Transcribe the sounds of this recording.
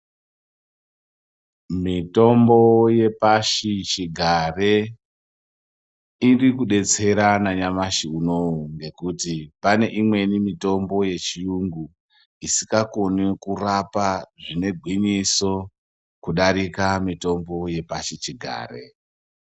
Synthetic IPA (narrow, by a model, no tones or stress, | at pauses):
mito̞mbo̞je̞paʃit͡ʃiɡʱare̞ | irikuɗe̞t͡se̞ɾanaɲamaʃiuno̞uŋɡe̞kutipane̞ʔimwe̞nimito̞mbo̞je̞t͡ʃijuŋɡu | isi̥kakonikurapaʐine̞ɡʱwiɲiso̞ | kuɗaɾikamito̞mbo̞je̞paʃit͡ʃiɡʱa̰ːrḛ